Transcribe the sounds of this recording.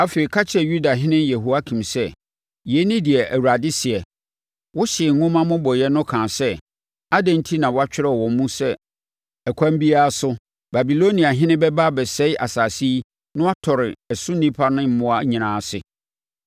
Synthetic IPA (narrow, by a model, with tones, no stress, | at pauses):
a˦fe˨i˨kʰa˦t͡ɕʰɪ˦ɛ˨ju˦da˨ɦɪ̃˦nɪ̃˦njɛ˨ɦu˦a˦kʰĩ˨msɛ˦ | jɛ˨˦nĩ˦di˨ɛ˨ʔæ˨wu˨ɾa˨dɪ˦sɪ˨ɛ˨ | wɔ˦ɕɪ˨ɛ˨ŋ˨ŋʊ̃˦mã˦mʊ̃˦bɔ˨jɛ˦nʊ̃˦kʰãː˨sɛ˦ | a˦dɛ̃˨n˦tʰi˦nã˨wa˦t͡ɕᶣɪ˦ɾɛ˦˨wɔ̃˨m˦mũ˦sɛ˦ | ɛ˨kʰã˦m˦bi˦a˦a˦sʊ˦ | ba˨bi˨lo˦nĩ˨a˨ɦɪ̃˦nɪ̃˦bɛ˦ba˦bɛ˨sɛ˦ɪ˦ʔa˨saː˨si˦ | nʊ̃˦a˦tʰɔ˨ɾɪ˨ɛ˨sʊ˦nĩ˦pʰa˦nʊ̃˦m̩˦mʊ̃˦a˨˦ɲĩ˨nãː˨sɪ˨